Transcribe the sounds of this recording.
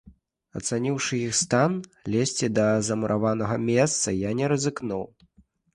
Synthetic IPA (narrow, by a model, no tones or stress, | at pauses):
ɐt̪sanʲiwʂɨjixst̪anlʲesʲt͡sʲid̪ɐzɐmuɾʔavanɐɣɐmʲɛst̪sɐjanʲɛɾɐzɨknuw